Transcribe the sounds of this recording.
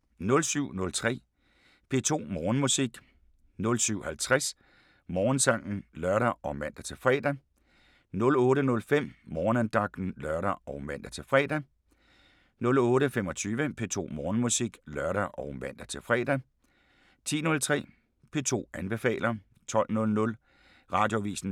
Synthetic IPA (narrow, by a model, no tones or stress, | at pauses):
nɔ̽lsyʊ̰nɔ̽lt͡sʰʁɛ̰ː | pʰe̝̰ːt͡sʰo̝̰ːmɒːnmusiɡ̥ | nɔ̽lsyʊ̰hælt͡sʰʁas | mɒːnsɑ̈ŋ̰n̩lɶɐɾ̥ɐɒ̽mæn̰d̥æt͡sʰe̝lfʁɛːd̥æ | nɔ̽lɔːɾənɔ̽lfem̰mɒːnænd̥ɑ̈ɡ̥̚d̥n̩lɶɐɾɐɒ̽ʊmæn̰d̥æt͡sʰe̝lfʁɛ̰ːd̥æ | nɔ̽lɔ̽ːɾəfemɒ̽t͡sʰyːʋəpʰe̝t͡sʰo̝̰ːmɒːnmusiɡ̥lɶɐɾɐʔɒʊmæn̰d̥æt͡sʰe̝lfʁɛːd̥æ | t͡sʰḭːnɔ̽lt͡sʰʁɛ̰ː | pʰe̝̰ːt͡sʰo̝̰ːænb̥e̝fɛ̰ːlɐ | t͡sʰɒ̽l̰nɔ̽lnɔ̽l | ʁɑ̈ːd̥jo̝ʋḭːsn̩